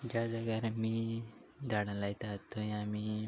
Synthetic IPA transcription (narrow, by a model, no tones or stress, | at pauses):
d͡ʒad̪aɡaɾɐmi | d̪aɽãlajt̪at̪ʰːojãmi